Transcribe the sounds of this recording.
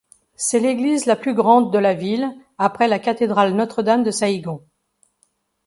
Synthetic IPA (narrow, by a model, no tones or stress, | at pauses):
sɛleɡlizlaplyɡʁɑ̃d̪ːəlavil | apχɛlakat̪ed̪ʁalnɔt̪χəd̪amd̪əsaiɡɔ̃